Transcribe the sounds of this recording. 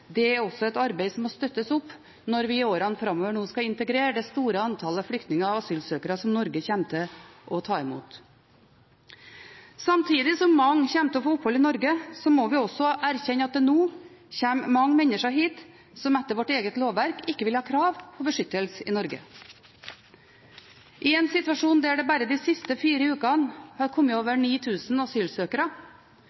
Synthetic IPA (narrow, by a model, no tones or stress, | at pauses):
d̪ɛæɾɔsɔɛt̪ɑɾbeɪsɔmːɔst̪œt̪ːəsʊpː | nɔɾʋɪoːɾɑnfɾɑmːoːʋəɳoːskɑɪnt̪əɡɾeːɾəɖ̪ɛst̪uːɾəɑnt̪ʰɑːləɑflʏkt̪nɪŋəɑʋɑsyːlsøːkəɾɑsɔmnɔɾɡəçɛmt̪ʰəʔɔt̪ʰɑːɪmṵːt̪ | sɑmt̪ʰiːd̪ɪsɔmːɑŋːçɛmt̪əɔfoːʊphɔlɪnɔɾɡəsɔmɔʋɪɔsɔʔæɾçɛɲːəɑt̪̚d̪ɛnuː | çeːmmɑŋːmɛnəʂɑɦiːt̪ | sɔmɛt̪ːəɾʋɔʈeːɡət̪loːʋʋæɾkʰɪkːəʋɪlhɑːkʰɾɑːʋpʰɔbəʂʏt̪ːəlsəɪ̰nɔɾɡə̰ | ʔɪɛːnsɪt̪ʋɑʂuːnd̪ɛæɖɛbæːɾəd̪isɪst̪əfiːɾəʉːkɑnhɑɾkʰɔmːəoːʋəɳiːt̪ʰʉːsn̩ɑsyːlsøːkəɾɑ